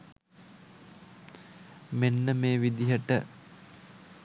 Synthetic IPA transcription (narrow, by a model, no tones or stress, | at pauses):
menːəmeːʋid̪iɦəʈə